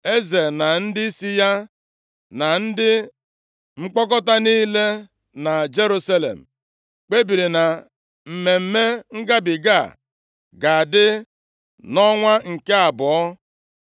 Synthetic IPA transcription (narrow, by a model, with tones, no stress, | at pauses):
e˦ze˨na˨n̩˦dɪ˦si˦ja˦ | na˨n̩˦dɪ˦ | ŋ͡m̩˦k͡pɔ˦kɔ˦ta˦niː˦le˦ | na˨d͡ʒe˦ɾu˦sa˦lḛ˨m̩˨ | k͡pe˦bi˨ɾi˨na˨ | m̩˨me˨m̩˦me˦ŋ̩˦ɡa˦bɪ˨ɡa̰˦˨ | ɡa˨a˨dɪ˦ | nɔ˦ŋʷa˦ŋ̩˨ke˦a˨bɔ˨ɔ˦